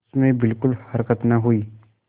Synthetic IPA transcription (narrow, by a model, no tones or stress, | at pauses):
smẽbɪlkʊlhəɾkət̪nəɦuiː